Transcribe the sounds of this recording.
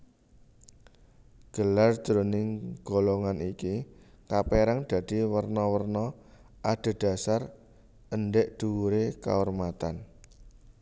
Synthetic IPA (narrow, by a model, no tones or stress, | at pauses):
ɡ̥əlar̥d͡ʒ̥ɾonɪŋɡ̥oloŋaniki | kapeɾaŋd̪̥ä̤d̪̥i̤wərnɔwərnɔ | ʔaɖ̪̥a̤ɖ̪̥a̤sar | ənɖɪʔd̪̥uwuɾeka̰ɔrmat̪an